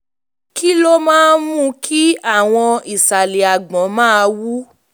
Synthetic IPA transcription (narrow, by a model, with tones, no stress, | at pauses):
ki˦lo˦mãː˦mũ˦kʰi˦a˦˨w̃ɔ̃˧i˨sa˨le˨a˨ɡ͡bɔ̃˨˦mãː˦˧wu˦